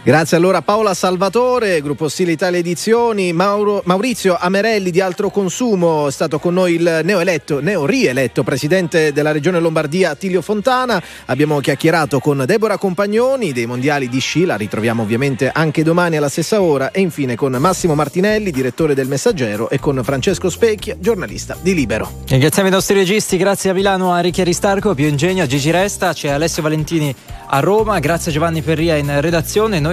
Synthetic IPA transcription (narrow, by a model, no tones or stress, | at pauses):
ɡɾat̪sːjealːoːɾapaolasalvat̪oːɾeɡɾupːost̪iːleit̪aːljaed̪it̪sːjoːnimawɾit̪sːjoʔameɾɛlːid̪ialt̪ɾokonsuːmoɛst̪aːt̪okonːojilnɛːoelɛt̪ːonɛːorielɛt̪ːopɾesid̪ɛnt̪ed̪elːaɾed͡ʒoːnelombard̪iːat̪iːljofont̪aːna | abːjaːmok̟jakjeɾaːt̪okond̪ɛːboɾakompaɲːoːnid̪ejmond̪jaːlid̪iʃːilaɾit̪ɾovjaːmoːvːjament̪eʔaŋked̪omaːnialːast̪esːaoːɾaʔeiɱfiːnekonmasːimomart̪inɛlːid̪iɾet̪ːoːɾed̪elmesːad͡ʒɛːɾoʔekːonfɾant͡ʃeskospɛkːjad͡ʒornalḭst̪ad̪iliːbeɾo̰ | riŋɡɾat̪jamoinɔst̪ɾiɾed͡ʒist̪iɡɾat̪sːjeamːilaːnoarikjɛɾist̪arkopjuind͡ʒɛɲːoad͡ʒit͡ʃiɾɛst̪at͡ʃɛalɛsːjovalent̪iːni | a̰rːoːmaɡɾat̪sːjead͡ʒovanːiferːiːainred̪at̪sːjoːnenːoj